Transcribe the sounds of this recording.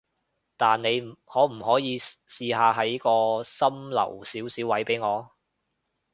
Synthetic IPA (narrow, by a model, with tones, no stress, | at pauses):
t̪aː˨nne˨˧jhɔː˨˥m̩˨˩hɔː˨˥jiː˨˧siː˧ɦaː˨˧ɦɐ˨˥jkɔː˧sɐ˥mlɐ̰˨˩wsiː˨˥wsiː˨˥wɐ˨˥jpe˨˥jŋɔː˨˧